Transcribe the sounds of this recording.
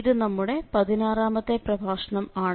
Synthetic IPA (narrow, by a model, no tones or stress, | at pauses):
ɾɨnɐmːuɽe̞pɐðinaːraːmɐt̪ːe̞prɐbʱaːʂɐɳɐmaːɳ